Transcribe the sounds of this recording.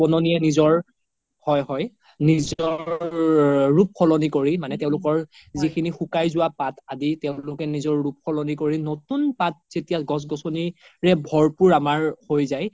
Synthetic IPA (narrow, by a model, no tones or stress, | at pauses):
pɔnɔniɛnizɔɹ | hɔjɦɔj | nizɔɹː | up̚kʰɔlɔnikoɹimanɛtɛʊ̃lʊkɔɹ | zikʰinixukajzʊwapataditɛʊ̃lʊkɛnizɔɹːup̚kʰɔlɔnikoɹinotunpat̚z̥etijaɡɔs̬ɡɔsɔniɹɛbʱɔɹpuɹamaɹhojzaj